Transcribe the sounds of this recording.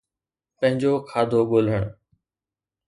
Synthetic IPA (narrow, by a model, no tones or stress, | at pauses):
pə̃ɦɪ̃ɲd͡ʑoːkʰaːd̪ʱoːɠoːl̤əɳ̃